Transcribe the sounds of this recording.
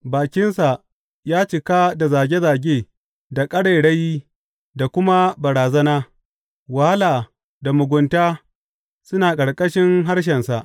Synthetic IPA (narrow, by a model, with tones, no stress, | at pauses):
baː˨kʲɪ˦nsa˨ʔ | jaː˦t͡ʃɪ˨kaː˦da˨zaː˨ɡʲe˦zaː˨ɡʲeː˦˨ | da˨kʼɐ˦ɽe˨ɽɐ˦jiː˦ | da˨kʷʊ˦ma˦bɐ˨ɾaː˨zɐ˦naː˦ | wa˨ha˦laː˨ | da˨mʊ˨ɡʷʊ˨ntaː˦ | sʊ˦naː˨kʼɐ˨ɽkʼɐ˦ʃɪ˦ŋɦa˦ɽʃ̬ɛ˨nsa˨ʔ